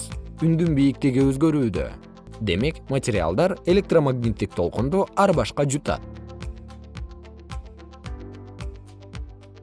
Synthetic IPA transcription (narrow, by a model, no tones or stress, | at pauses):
ynd̪ymbijik̚t̪eɡiøzɡø̞ɾyːd̪ø̰ | d̪e̞me̞kmɐtʲɪɾʲɪa̰lˠd̪ɑɾe̞lʲe̞k̚t̪romaɡnʲit̪ːik̚t̪ʰo̞lˠqund̪uɑɾbɑʃqɑd͡ʒut̪ɑ̰t̪̚